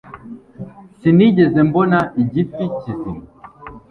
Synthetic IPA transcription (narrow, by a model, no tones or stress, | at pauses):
sinid͡ʒɛzɛmbɔnaʔid͡ʒip̚tit͡ʃisḭn